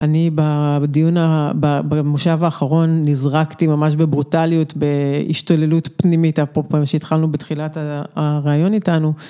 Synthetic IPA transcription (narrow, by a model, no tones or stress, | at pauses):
ʔanibadijunababamuʃavaːχaʁo̞nːizʁaktimamaʃ̬be̞bʁutalijutbe̞ḭʃto̞le̞lutpnimitapopemʃeitχalnubetχilataʁeajo̞nitanu